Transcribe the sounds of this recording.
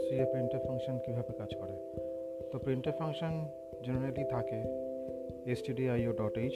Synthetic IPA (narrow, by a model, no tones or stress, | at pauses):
sɾiepɾiɳʈefʰaŋkʃonkibʱabekad͡ʑkɔɾe | t̪opɾiɳʈefʰaŋʃon | d͡ʑeneɾalit̪ʰake | esʈiɖiajoɖɔʈe